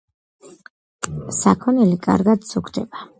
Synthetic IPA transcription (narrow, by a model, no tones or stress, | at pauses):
sakʰɔnilikʼa̰ɾɡad̪sukʰd̪ɛba